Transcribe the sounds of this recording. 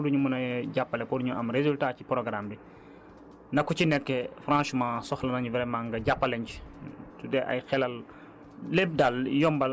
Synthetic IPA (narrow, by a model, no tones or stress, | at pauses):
duɲumunɐɛɟapːɐlɛkɔduɲuʔɐmɾezultaːcipɾɔɡɾaːmbi | nɐkːucinɛkːɛfɾãːnʃumãːsɔxlɐnɐɲuvɾɛmãːŋɡɐɟapːɐlɛɲci̥tudɛʔɐ̰jxɛlɐl | leb̚daljɔmbɐ